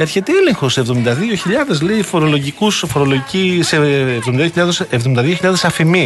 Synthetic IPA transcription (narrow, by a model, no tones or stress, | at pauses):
eɾçe̞t̪eele̞ŋxosevðo̞mind̪ɐðio̞çiʎɐðe̞zleifo̞ɾo̞lo̞ʝikusfoɾo̞lo̞ʝiciseːvðominðioçiʎɐðesevðomind̪ɐðioçiʎɐðe̞sɐfimi